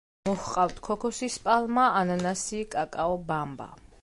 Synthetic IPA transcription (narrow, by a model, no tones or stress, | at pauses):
mɔhqʼawt̪ʰkʰɔkʰɔsispʼalˠmaːnanasiːkʼakʼaɔbamba̰